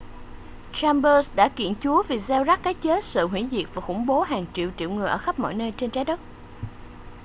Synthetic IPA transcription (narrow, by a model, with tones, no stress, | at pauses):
t͡ɕaː˧mɓə˧sɗa̰ː˧˥kḭ˧˨ənt͡ɕu˨˦əvi˨˩zɛ˧wza˦˥k̚kaː˨˦jt͡ɕe˨˦sɨ̰ː˧˨ɦwḭ˧˥zi˨˩ək̚vaː˨˩xʊ˧˩ŋ͡mɓo˨˦ɦaː˨˩ŋt͡ɕḭ˧˨əwt͡ɕḭ˧˨wŋɨ˨˩əjʔəː˧˩xə˦˥p̚mɔ̰˧˨jnəː˧jt͡ɕe˧nt͡ɕaː˨˦jɗə˦˥t̚